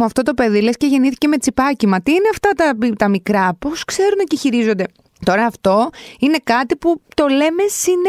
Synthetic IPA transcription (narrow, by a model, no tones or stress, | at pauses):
uɐft̪o̞t̪o̞peðile̞sce̞ʝe̞niθi̥ce̞me̞t͡sipɐcimɐt̪iːneɐft̪ɐt̪ɐit̪ɐmikɾɐposkse̞ɾuneceçiɾizo̞nd̪e̞ | t̪o̞ɾɐːft̪o̞ine̞kɐt̪iput̪o̞le̞me̞sin